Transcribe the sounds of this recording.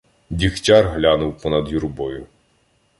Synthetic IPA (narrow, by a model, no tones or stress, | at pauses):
d̪ʲixtʲɑrɦlʲɑnʊwpɔnɐd̪juɾbɔjʊ